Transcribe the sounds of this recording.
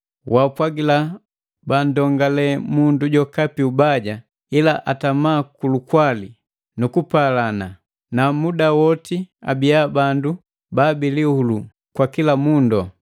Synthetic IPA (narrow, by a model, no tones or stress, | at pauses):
wapwaɡila | bandɔŋɡalɛmunduɟɔkapiubaɟa | ilaʔatamaːkulukwali | nukupalana | namudawɔtia̰bijabandu | baːbilihulu | kwakilamundɔ